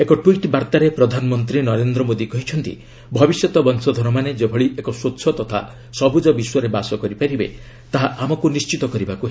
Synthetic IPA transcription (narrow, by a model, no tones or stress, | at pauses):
ekɔʈwiʈbaɾt̪aɾepɾɔd̪ʱanɔmɔnt̪ɾinɔɾend̪ɾɔmod̪ikɔɦit͡ʃʰɔnt̪ḭ | bʱɔbisjɔt̪ɔbɔnsɔd̪ʱɔɾɔmaned͡ʒebʱɔɭiʔekɔsot̪ːsʰɔt̪ɔt̪ʰa̰ | sɔbʱud͡ʒɔbiswɔɾebasɔkɔɾipaɾibḛ | t̪aɦaamɔkunist͡ʃit̪ɔkɔɾibakuɦe